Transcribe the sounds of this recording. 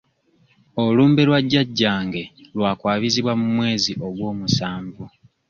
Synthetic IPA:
oluːmbelwaɟːaɟːaːŋɡe̞lwaːkwaːβiziβwamumwe̞ːziʔo̞ɡwo̞ːmusaːɱvu

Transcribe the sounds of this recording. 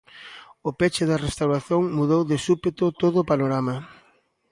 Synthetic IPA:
ʊpet͡ʃɪðɐrest̪awɾaθjoŋmuðowðesupet̪ʊt̪oðʊːpanoɾamɐ

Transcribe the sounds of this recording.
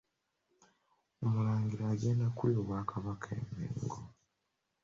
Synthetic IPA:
omulaːŋɡiɾaːɡe̞ːndakuljoβwaːkʰaβakʰaḛmḛːŋɡo

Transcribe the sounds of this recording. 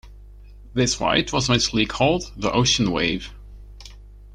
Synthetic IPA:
ðɪsfa̰ɪt̚wʌzmɛ̃sl̩ˠikʰɔlˠd̪̚ðiʔoʊʃə̃n̩wḛɪv̥

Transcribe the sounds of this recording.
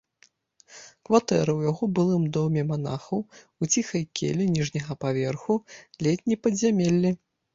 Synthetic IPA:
kvat̪ɛ̰ɾɐwjaɣɔbɨlˠɨmd̪ɔmʲɛmana̰xɐw | ut͡sʲixɐjkʲḛlʲinʲiʐnʲɐɣɐpavʲɛrxulʲɛt̪ʲnʲijpɐd̪zʲamʲelʲːi

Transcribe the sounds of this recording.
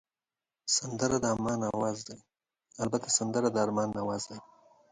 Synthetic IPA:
sand̪əɾad̪əamɑnawɑzd̪a | albat̪ʰasand̪əɾad̪əaɾmɑnːawɑzd̪aj

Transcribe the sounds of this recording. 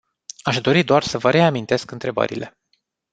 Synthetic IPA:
aʃd̪o̞ɾid̪oarsəvəɾe̞amint̪e̞skɨnt̪ɾe̞bə̰ɾḭlʔe̞

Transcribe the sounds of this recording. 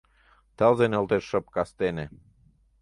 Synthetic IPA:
t̪əlzenolt̪eʃːə̆p̚kɑst̪enĕ

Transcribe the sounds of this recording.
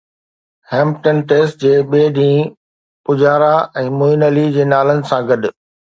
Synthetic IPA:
hɛːmpʈənʈeːsʈd͡ʑeːɓeːɗĩː | pʊd͡ʑaːɾaɛ̃ːmʊinəlid͡ʑeːnaːlənɪ̆sãɡɐɗʊ̆

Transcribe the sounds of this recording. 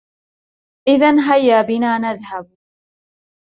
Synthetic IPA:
ʔɪðanɦajːaːbɪnaːnaðhab̚

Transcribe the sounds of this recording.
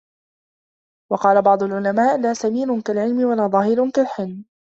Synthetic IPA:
wɑqɑːlabɑʕd̪ˤʊlʕʊlamaːʔlaːsamiːɾʊnkalʕɪlmɪwalaːðˤɑːhɪɾʊnkalħɪlm

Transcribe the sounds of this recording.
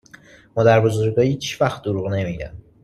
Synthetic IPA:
mɒːd̪æɾbozoɾɡɒːhiːt͡ʃvæxt̪̚d̪oɾuʁne̞miɾæ̰m

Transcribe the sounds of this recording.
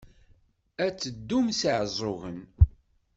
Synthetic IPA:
æt͡sːəd̪ːumsəʕzˤoɣən

